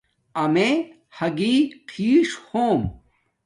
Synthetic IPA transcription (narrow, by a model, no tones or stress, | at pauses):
ɐme | hɐɡiːqʰiːʂhoːm